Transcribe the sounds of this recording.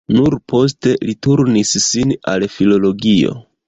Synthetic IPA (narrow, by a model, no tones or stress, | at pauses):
nuɾpo̞s̬te̞lituɾnisːina̰lfilo̞lo̞ɡio̞̰